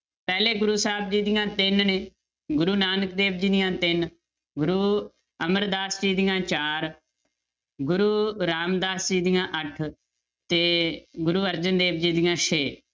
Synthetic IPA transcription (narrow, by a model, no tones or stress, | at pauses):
pɛːleːɡʊɾuːsaːb̚d͡ʒiːd̪ɪjãːt̪ɪnneː | ɡʊɾuːnaːnəkd̪eːbd͡ʒiːd̪ɪjãːt̪ɪn | ɡʊɾuː | əməɾd̪aːsd͡ʒiːd̪ɪjãːt͡ʃaːɾ | ɡʊɾuːɾaːmd̪aːsd͡ʒiːd̪ɪjãːʔəʈʰ | t̪eːɡʊɾuːəɾd͡ʒənd̪eːb̚d͡ʒiːd̪ɪjãːʃʰeː